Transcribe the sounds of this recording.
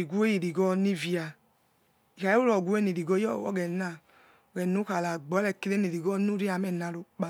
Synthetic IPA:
i˨ɡʷu˦e˦ji˨ɾi˨ɡɔ˦˧ni˦vi˦a˨ | i˨ka˨i˦u˦lɔ˨ɡʷu˦e˦ni˨ɾi˨ɡo˧˦ɔ̰˦ɡɛ˨na˨ | ɔ˨ɡɛ˨nu˦ka˨la˨ɡ͡bɔ˨˦lɛ˧˨ki˧le˦ni˨ɾi˨ɡɔ˦nu˦ɾi˦a˧˨mɛ˨na˧ɾo˨˦k͡pa˧˨

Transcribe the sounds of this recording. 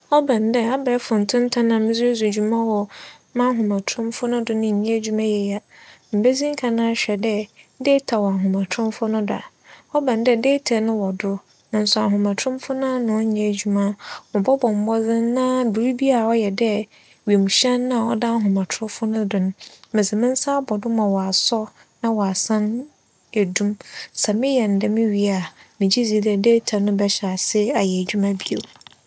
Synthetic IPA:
ɔ˦bã˨ndɛ˦a˦bɛ˨˦fʊ̃˨n̩˨tʰʊ̃˦n̩˦tʰa˦nã˨mɪ̃˦zu˦e˦zu˨d͡ʑᶣu˨mã˦wɔ˨mã˦ɦʊ̃˨mã˨tʰɾʊ̃˦mfʊ˦nʊ̃˦dʊ˦nʊ̃˦ɲ̩˨ɲɛ̃˦æ˦d͡ʑu˦mã˦jɛ˨ja˨m̩˨be˦zĩ˦ŋ̩˦kʰa˨nã˦ɕᶣɛ˨dɛ˦deː˦tʰa˨wɔ˨a˨ɦʊ̃˨mã˨tʰʊ̃˦m˦fʊ˦nʊ̃˦dʊ˨a̰˨ | ɔ˦bã˨ndɛ˦deː˦tʰɛ˨nʊ̃˦wɔ˨dʊ˦ | nã˨n̩˨sʊ˨a˨ɦʊ̃˨mã˨tʰɾʊ̃˦mfʊ˦nã˦nʊ̃˨˦ɲ̩˦ɲɛ̃˦˨d͡ʑu˨mã˦mʊ̃˨bɔ˦bɔ̃˨m˨˦bɔ˦d͡zɪ˦n˦nã˦bi˨ɾi˦bi˦a˨ɔ˦jɛ˨dɛ˦ | ɥe˨mũ˨ɕɛ̃˦nːã˦˨ɔ˦dã˦ɦʊ̃˨mã˨tʰɾʊ̃˦fʊ˦nʊ̃˦dʊ̃˨nʊ̃˦mɪ̃˨sɪ˨mɪ̃˦n˦sa˦bɔ˨dʊ˦mã˨wɔ˨a˨sɔ˦ | nã˦wɔ˨a˨sã˦n | æ˨dũ˦msɛ˨mɪ̃˦jɛ˨n̩˨dɛ˨mɪ̃˦ɥi˦a˨mɪ̃˨d͡ʑi˦zi˨˦dɛ˨deː˦tʰɛ˨nʊ̃˦bɛ˦ɕa˨sɪ˦a˨jɛ˨æ˨d͡ʑᶣu˦mã˦bi˦o˨

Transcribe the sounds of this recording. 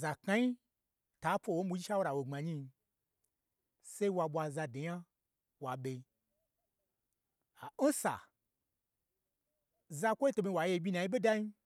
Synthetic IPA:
za˨ka˧˦ji˦ | ta˨˦pʷo˧˨wo˦m̩˦ɓu˧˦d͡ʒi˦ʃa˦wo˦ɾa˨wo˨ŋ͡ma˨ɲi˧ | se˦i˦wa˧ɓʷa˧za˧de˨ja˦ | wa˨ɓe˧ | a˨n̩˦sa̰˨ | za˧kʷo˦i˦to˧me˧˨wa˨je˧˦bʲi˧na˨ji˦ɓe˦da˦ji˦

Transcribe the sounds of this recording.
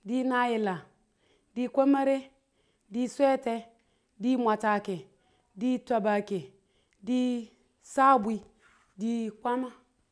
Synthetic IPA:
di˦na˦ji˨la˨ | di˦kʷo˦ma˦ɾe˦ | di˦sʷe˦te˦ | di˦mʷa˨ta˨ke˨ | di˦ta˨ba˨ke˨ | di˦ | sa˦˨bʷi˦ | di˦kʷa˦ma˦

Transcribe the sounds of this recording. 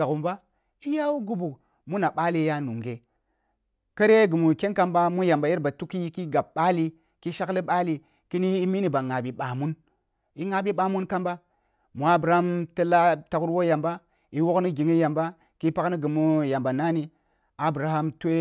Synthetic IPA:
a˨ku˨mba˦ | i˦ja˦wu˦ɡu˦bu˨ | mu˦na˨ɓa˦li˦ja˦nu˨ŋɡe˨ | kə˦ɾe˦ɡɨ˨mu˨ke˦nka˦mba˦mu˦ja˨mba˨ji˦ɾba˨tu˦ki˦ki˦ɡa˨b̚ɓa˦li˦ | ki˦ʃa˦kli˦ɓa˦li˨ | ki˦ni˦i˦mi˦ni˨ba˨ŋa˨bi˨ɓa˨mu˦n | i˦ŋa˨bi˦ɓa˨mu˦nka˦mba˦ | mu˨a˦bɾa˨a˦mtə˦la˦ta˨ku˦ɾwo˦ja˨mba˦ | i˨wo˦kni˦ɡi˨ŋi˦ja˨mba˦ | ki˦pa˦kni˦ɡɨ˨mu˦ja˨mba˨na˦ni˦ | a˨bɾa˨ha˦mtʷe˦

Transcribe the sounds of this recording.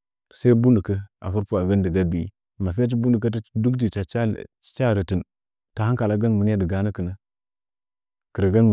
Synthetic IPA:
sa˦i˦bu˦ndə˨kə˦a̰˨fu˦ɾpu˨a˨ɡa˦ndə˨ɡa˦bḭ˨˦˨ma˨fi˦a˦t͡ʃ̬i˦bu˦ndu˨k̬a˦tdu˦kdi˨t͡ʃa˨˦ | t͡ʃa˦˨ɾə˨ti˨n | ta˨ha˦ŋka˨la˦ɡa˦nmə˨n˦a˦də˨ɡa˦na˦kə˨na˦ | kə˨ɾə˨ɡa˦n˨

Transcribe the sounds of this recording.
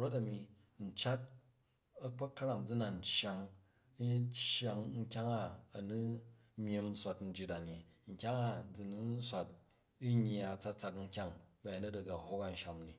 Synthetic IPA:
ɾo˦ta˨mi˨ | n̩˨t͡ʃa˦t̚ | ɐ˦k͡pa˦kːɐ˦ɾa˨ŋd͡zu˦na˨n̩˨t͡ʃːja˨ŋ | i˦t͡ʃa˨ŋŋ̩˦kʲa˦ŋa˦ɐ˨nu˦ | mje˦m̩˦sʷa˨tn̩˦d͡ʒi˦ta˨ni˨ | ŋ̩˨kʲa˦ŋa˦d͡zu˨nu˦n̩˦sʷa˨t̚ | i˦ɲ˦˨a˨t͡sa˦t͡sa˧kŋ̩˦kʲa˦ŋba˨ja˨nɐ˦dɐ˨ɡa˨ho˦ka˨n̩˦ʃa˨mni˨

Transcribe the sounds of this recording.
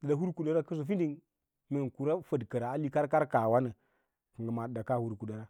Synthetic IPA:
də˨da˨ɦu˦ɾku˨da˦ɾa˦kə˦zo˨fi˦ndi˦n | me˨nku˨ɾa˦fə˨dkə˨ɾa˨a˦li˦ka˦ɾka˦ɾka˨wa˦nə˨ | kə˨ŋɡə˨ma˨da˨ka˦hu˦ɾku˨da˨ɾa˦

